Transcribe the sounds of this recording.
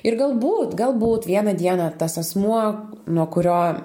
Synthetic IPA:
ɪɾɡɐlˠbuːt̪ɡɐlˠbuːt̪ʋʲiɛnɐd̪ʲiɛnɐt̪ɐsɐsmuɔ | nuɔkʊɾʲoː

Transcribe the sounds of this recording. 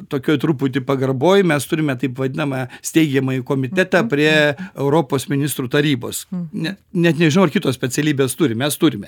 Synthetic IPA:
t̪oːkʲoːjt̪ɾupʊt̪ʲɪpɐɡɐrboːjɪmʲɛst̪ʊɾʲɪmʲɛt̪ɐɪpʋɐd̪ʲɪnɐmɐsʲt̪ʲɛɪɡʲɛmɐikoːmʲɪt̪ʲæt̪ɑːpʲɾʲiɛɛʊɾoːpoːsmʲɪnʲɪst̪ɾuːt̪ɐɾʲiːbo̰ːsnʲɛnʲɛt̪nʲɛʒʲɪnʊɐrkʲɪt̪oːsʲpʲɛt͡sʲɛlʲiːbʲeːst̪ʊɾʲɪmʲɛst̪ʊɾʲɪmʲɛ

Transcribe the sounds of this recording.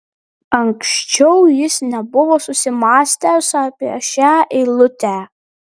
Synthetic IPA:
ɐŋksʲt͡ʃʲɛʊjɪsnʲɛbʊʋoːsʊsʲɪmɑːsʲt̪ʲɛsɑːpʲiɛʃʲæːʔɪlˠʊt̪ʲæː

